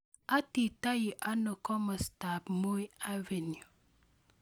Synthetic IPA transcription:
a˦ti˨ta˦ji˨ʔa˦no˨kɔ˦mɔ˨sta˨pmo˦i˦a˦ve˨n˨u˨

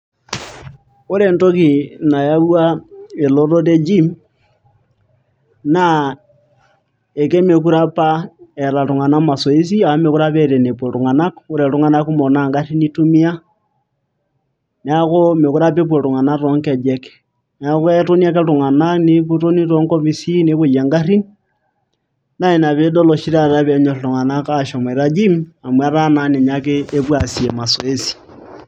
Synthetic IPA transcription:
o˦ɾe˨nto˦ki˨na˨ja˦βwa˦e˨lo˦ɾo˦ɾe˦d͡ʒi˦m | na˦ | e˨ke˦me˨ku˦ɾa˦pa˦e˨ɾa˨tu˨ŋa˨na˦ma˨so˨i˦s̬i˦a˨o˦me˨ku˦ɾa˦pe˦˨ɾe˨ne˨pwo˨ɾu˨ŋa˨na˦ko˦ɾe˨tu˦ŋa˦na˦ku˦mo˨na˨ŋɡa˦ti˦ni˦tu˦mi˦a˦ | n˨a˦ko˦me˨ku˦ɾa˦pe˦p̬we˨ɾu˨ŋa˨na˦ɾo˦ŋke˨d͡ʒe˦ke̥ | n˨a˦kwe˦to˦ni˦a˦ke˦ɾu˨ŋa˨na˦ni˦βuɾo˦ni˦ɾo˦ŋko˦βi˦si˦ne˦βu˨ja˨ŋɡa˦ri˦ni | na˦e˨na˨βe˦dɔ˦lo˨ʃi˦ɾa˦ɾa˦βe˨˦ɲo˨ɾi˨ɾu˨ŋa˨na˦ka˨ʃo˨m˨e˨ɾa˦d͡ʒi˦ma˨mwa˦ɾa˦na˦ne˨ɲa˦k̬eː˦βwa˨si˨e˨ma˨swe˦si̥˨

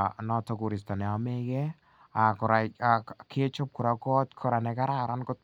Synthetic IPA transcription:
nɔ˦tɔ˨ku˨ɾi˨sta˨nɛ˨a˨me˦kɛ˦ | a˨kɔ˨ɾa˨ake˦t͡ʃo˦p̚ku˨ɾa˨kɔ˦tkʰɔ˨ɾa˨nɛ˨ka˦ɾa˦ɾa˦nko˦t

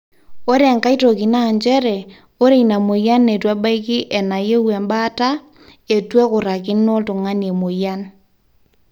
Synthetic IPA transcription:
o˦ɾe˨ŋka˦i˦to˨ki˨na˦˨ɲd͡ʒɛ˦ɾɛ˨ | o˦ɾe˦˨ina˨mo˨ja˦nːe˨twa˦ba˦i˦kɪ˦ʔɛ˨na˨je˦we˨mba˦ta˦ | e˨twe˦kʊ˨ɾa˨kɪ˦nnːo˦ltʊ˨ŋa˦ne˨mo˨ja˦n

